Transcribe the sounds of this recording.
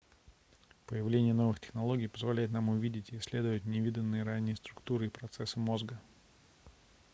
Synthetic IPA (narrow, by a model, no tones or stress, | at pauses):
pəjɪvlʲenʲɪjəno̞vɨxtʲɪ̥xnɐlˠo̞ɡʲɪjpəzvɐlʲæjɪt̪namʊvʲidʲɪtʲɪːsʲlʲed̪ʊjʊt̪nʲɪvʲid̪ʲənːɨjəɾanʲːɪjəst̪ɾʊkt̪uɾɨipɾɐt̪sɛsːɨmo̞zɡə